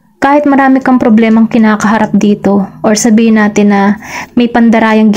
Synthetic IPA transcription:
kaːhɪt̪̚mɐɾaːmɪkɐŋpɾoblɛːmɐŋkɪnaːkɐɦɐɾap̚d̪iːt̪o̞ʔoɹsɐbiːhɪnaːt̪ɪnːɐmɐjpɐnd̪ɐɾaːjɐŋɡ

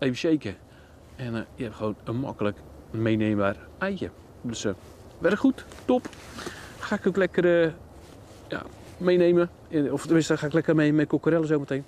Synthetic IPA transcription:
evənʃejkə | ɛnjɛrxəʋoːnənmɔ̰kələk | mejnemarɛjjə | døs | ʋɛɾəxuttop | xaːɪkoklɛkərə | ja̰ | mejneːmə | ɔftəmɪnstəxaːɪklɛkərmejmɛjkokəɾɛlˠəsoːməteːn

